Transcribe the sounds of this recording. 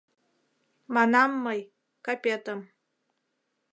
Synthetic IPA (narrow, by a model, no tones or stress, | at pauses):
mɑnɑmːɤj | kapʲet̪əm